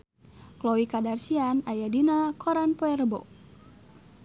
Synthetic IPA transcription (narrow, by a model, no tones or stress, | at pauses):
klowikadarsianajadinakɔɾanpoɛrbɔ̰